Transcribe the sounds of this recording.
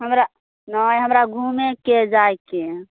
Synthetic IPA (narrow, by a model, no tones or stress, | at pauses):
ɦəmɾa | nəjɦəmɾaɡʱumeked͡ʒajke